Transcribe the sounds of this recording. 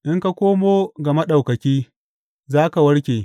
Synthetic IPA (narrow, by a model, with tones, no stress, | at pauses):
ʔɪ˦ŋka˦kʷoː˦moː˦ɡɐ˨ma˦ɗa˨wkɐ˨kʲiː˦ | zaː˦ka˨wɐ˦ɽkʲeː˨